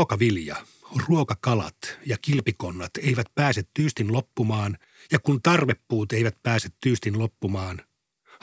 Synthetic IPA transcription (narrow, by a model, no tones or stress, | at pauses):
okɑʋiljɑ̰ | oruokɑkɑlɑ̰t̪jɑkilpiko̞nːɑt̪ejʋæt̪̚pæːset̪t̪ːyːst̪inlopːumɑːn | jɑkunt̪ɑrʋe̞pːuːt̪eiʋæt̪pæːset̪tːyːst̪inlo̞pːumɑːn | h